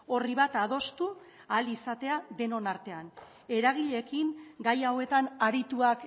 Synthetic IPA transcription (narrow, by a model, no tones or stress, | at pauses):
o̞riβ̞at̪að̞o̞st̪u | alisat̪e̞aðe̞no̞naɾt̪e̞an | e̞ɾaɣ̞iʎe̞kiŋɡajawe̞t̪anaɾit̪uak